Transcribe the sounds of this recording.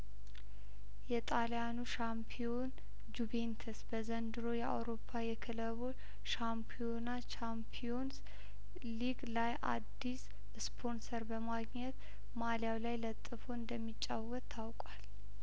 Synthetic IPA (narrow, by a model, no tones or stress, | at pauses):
jɛt̪ʼaljanuʃampʰio̞n | d͡ʒuβent̪ʰəsbəzənd̪ɨɾo̞jɛa̰wɾo̞pʰːajɛkʰɨləβo | ʃampʰijonat͡ʃampʰio̞ns | liɡlajʔa̰d̪ːis | spʰo̞nsəɾbəmaɡɲɛt̪ | maljawlajlət̪ʼːɨfoɨnd̪əmːit͡ʃʼːawːət̪ʰːawkʼwal